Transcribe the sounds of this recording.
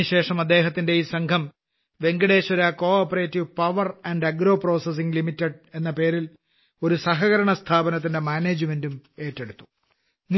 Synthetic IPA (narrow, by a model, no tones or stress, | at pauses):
iɕe̞ːʂɐmɐd̪ːe̞ːɦɐt̪ːinde̞iːsɐŋkʰɐm | ʋe̞ŋɡɐɽe̞ːɕɐɾakoːoːpːɐreːtːiʋpɐʋɐrɐɳɖɐɡɾo̞ːpro̞ːses̬iŋɡlimitːeɖe̞nːɐpe̞ːɾil | o̞ɾusɐɦɐɣɐɾɐɳɐst̪ʰaːbɐnɐt̪̬ːinde̞maːne̞ːd͡ʑme̞ndume̞ːtːe̞ɽut̪ːu̥ | ni